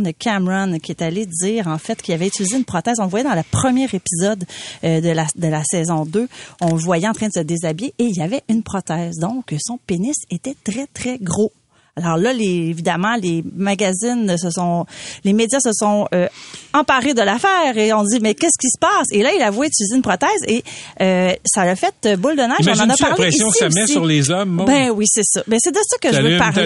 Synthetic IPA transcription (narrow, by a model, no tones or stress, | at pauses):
nəkʲʰamʁankʲiet̪aled͡z̪iːʁɑ̃fɛt̪kʰʲilavɛitylizeynpχɔt̪ɛːzɔ̃vwajɛd̪ɑ̃lapχəmjɛːʁepizɔd̪ød̪əlad̪əlasɛːzɔ̃d̪øɔ̃vwajɛɑ̃t̪χɛ̃d̪əsəd̪ezabjeʔːljavɛʔynpχɔt̪ɛːzd̪ɔ̃ksɔ̃penɪset̪ɛt̪χɛt̪χɛɡʁo | alɔːʁlʌleːvid̪amɑ̃lemaɡʲazɪnsəsɔ̃lemed̪jasəsɔ̃øɑ̃paʁed̪əlafɛːʁeɔ̃d͡z̪imɛkʲɛskʲisə̥paːselʌilavwɛit̪ylizeynpχɔt̪ɛːzeøsalafɛt̪əbʊld̪ənaɔ̃nɑ̃nʌpaʁlpeɛsijɔ̃emɛisʁlezɔmbɛ̃wisɛsʌbɛsɛd̪əsʌkəʒəvɛpaʁl